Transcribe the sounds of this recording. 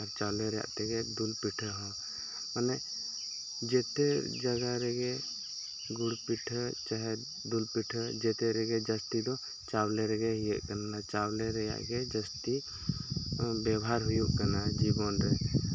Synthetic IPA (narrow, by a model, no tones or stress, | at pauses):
ɔɾt͡ʃaleɾja̰ʔt̪ɛɡed̪ulpiʈʰəɦɔ | manɛ | d͡ʒet̪ed͡ʒəɡaɾɛɡe | ɡuɽpiʈʰət͡ʃaɦɛ | d̪ulpiʈʰəd͡ʒet̪eɾɛɡed͡ʒəst̪id̪ɔ | t͡ʃawleɾɛɡeɦijeʔkənːat͡ʃawleɾɛja̰ʔɡed͡ʒəst̪i | bɛbaɾɦujuʔkənad͡ʒibɔnɾe